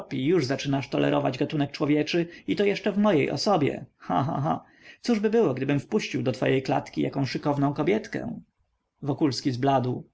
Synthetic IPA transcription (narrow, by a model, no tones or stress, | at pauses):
pʲijuʐzat͡ʂɘnaʂt̪ɔlɛ̰ɾʔɔva̰d͡ʑɡat̪unɛk̚t͡ʂwɔvʲjɛt͡ʂɘit̪ɔjɛʂt͡ʂɛvmɔjejʔɔ̰sɔbʲjɛ̰xã̰ɦa̰ɦa̰ | t̪suʐbɘbɘwɔɡd̪ɘbɘmfpuɕt͡ɕiwd̪ɔt̪fɔ̰jejkla̰t̪kʲija̰kɔ̃ʂɘkɔvnɔ̃w̃kɔbʲjɛt̪kɛ̰̃ | vɔkulskʲizblad̪w